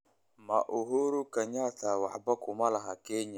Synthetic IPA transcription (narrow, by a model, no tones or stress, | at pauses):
maʔoɦoɾukaɲatawa̰ʔbakʊmalaɦakeɲa